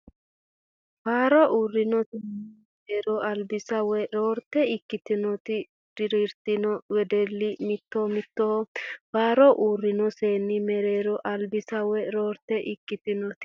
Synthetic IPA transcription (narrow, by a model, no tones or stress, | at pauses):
faːɾɔʔuːrːɪnɔseːnːɪmmɛɾeːɾɔʔɐlbɪsɐwɛɾoːɾt̪ːɛɪkːɪt̪ɪnɔt̪ɪ | d̪̥ɪɾɪɾt̪ɪnɔwɛd̪ɛlːɪmɪt̪ːɔmɪt̪ːofaːɾɔʔuːrːɪnɔseːnːɪmɛɾeːɾɔʔɐlbɪsɐwɛɾoːɾt̪ɛʔɪkːɪt̪ɪnɔt̪ɪ̥